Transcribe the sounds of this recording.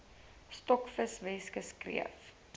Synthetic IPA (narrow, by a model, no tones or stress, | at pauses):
stɔkfəsvɛskəskrḭə̰f